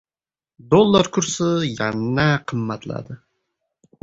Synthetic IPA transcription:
d̪olˠːɑɾkʰuɾsɨjɛnːɛqʰəmːæt̪lˠɑ̰d̪ɨ

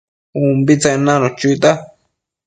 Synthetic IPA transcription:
umbit͡sanãnõt͡ʃut̪a

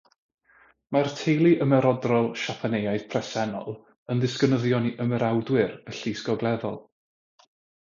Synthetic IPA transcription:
martʰejlˠiʔəmɛɾɔdrɔlˠʃapʰanejajð̥pʰrɛsɛnɔ̰lˠ | ənðɪskənəðjɔniʔəmɛɾawdwɪɾəɬisɡɔɡlˠɛðɔ̰lˠ

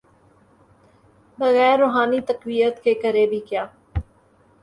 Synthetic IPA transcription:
bɐɣɛːɾːoːɦaːnit̪ɐqwijət̪kekɐɾebʱikjaː

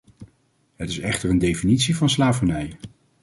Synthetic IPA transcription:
ɦətɪsɛχtəɹəndejfinitsivɑnslaːvənɛj

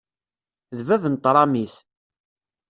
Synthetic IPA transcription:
ðvæðnt̪ˤːɾˤɑmiθ

